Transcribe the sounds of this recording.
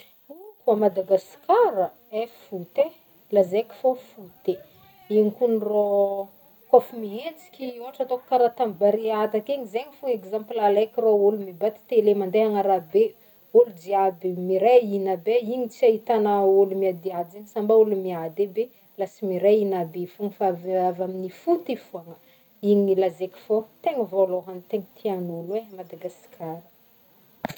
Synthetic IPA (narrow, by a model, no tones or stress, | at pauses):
ukuamad̪aɡaskaɾə | efut̪e | lazekʲi̥fofut̪e | iŋikunro | kofumiɦent͡si̥kʲiuɦaʈ͡ʂat̪okkaɾat̪ambaɾeat̪akeɲizeɲifuŋekzamplalekʲroulumibat̪i̥t̪elemand̪eɦaŋaɾabe | ulud͡ʒiabimiɾainabeiɲit͡siaɦit̪anaulumiad̪iad͡ʒeŋisambaulumiad̪ebe | lasimiɾainabefuŋəfaavavaminifut̪ifuaŋə | iɲilazeki̥fot̪eŋəvoloɦanit̪eŋit̪ʰianuluemad̪aɡasi̥kʰaɾə̥